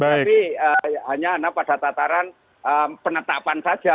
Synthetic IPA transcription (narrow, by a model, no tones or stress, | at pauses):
baaipiəɦaɲaːnapad̥at̪at̪aɾan | əːpənət̪apansḁʒ̥a